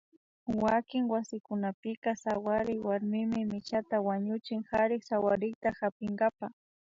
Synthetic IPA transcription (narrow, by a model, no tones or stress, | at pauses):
wakɪŋwasɪkʊnapɪkasawaɾɪjwaɾmɪmɪmɪt͡ʃat̪awaɲʊt͡ʃɪŋhaɾɪksawaɾɪjt̪ahapɪŋɡapa